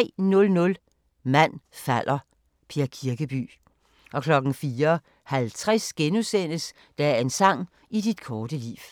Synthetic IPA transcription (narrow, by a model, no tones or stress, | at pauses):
ɛ̰nɔ̽lnɔ̽l | mæn̰fæl̰ʔɐ | pʰeɐkʰiɐɡ̥əb̥y̰ː | ʔɒ̽kʰlɒ̽ɡ̥n̩fiːɐ | hælt͡sʰʁasɡ̥enusen̰əs | d̥ææe̝nsɑ̈ŋ̰ | id̥id̥kʰɒːd̥əlḭːʋ